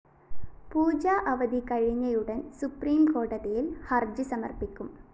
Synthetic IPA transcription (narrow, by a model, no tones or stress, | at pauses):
puːd͡ʑaːʔɐʋɐd̪ikɐɻiɲːɐjuɽɐnsupriːmko̞ːʈɐðɐjilhɐrd͡ʑɨsɐmɐrpikʲːum